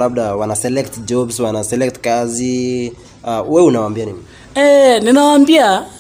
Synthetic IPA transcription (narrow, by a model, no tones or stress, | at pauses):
lab̚ɗawanasɛlɛktd͡ʒɔbswanasɛlɛk̚tkazi | awɛunawambianini | ɛninawaːmbia